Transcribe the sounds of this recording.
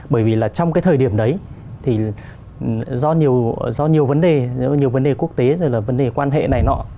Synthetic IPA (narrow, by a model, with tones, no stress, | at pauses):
ɓəː˧˩jvi˨˩laː˨˩t͡ɕɔ˧wŋ͡mkaː˨˦jt̪ʰəː˨˩ɗi˧˩əmɗə˨˦j | t̪ʰi˨˩˨ | zɔ˧ɲi˨˩əwzɔ˧ɲi˨˩əwvə˨˦nɗe˨˩zɔ˧ɲ˨˩əwvə˨˦nɗe˨˩ku˦˥ək̚t̪e˨˦zɔ˧˩laː˨˩və˨˦nɗe˨˩kwaː˧nɦḛ˧˨na˨˩jnɔ̰˧˦